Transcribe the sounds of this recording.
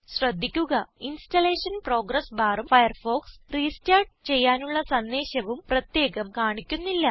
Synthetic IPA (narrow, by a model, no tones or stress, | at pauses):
ɕrɐd̪ʱːikʲːuɣɐinstɐle̞ːʂɐnpro̞ːɡɾɐsbʱaːɾɐmfɐjɐrfo̞ːksriːstaːɖt͡ɕe̞jːaːnuɭːɐsɐnd̪eːɕɐʋumprɐt̪je̞ːɣɐmkaːɳikʲːunːilːɐ